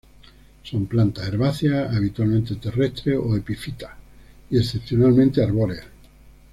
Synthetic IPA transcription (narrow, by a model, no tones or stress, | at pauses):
so̞mplant̪aeɾβaθjaaβ̞it̪walmẽnt̪et̪erest̪ɾeoepifit̪ḁ | iesθe̞pθjonalmẽnt̪eaɾβolea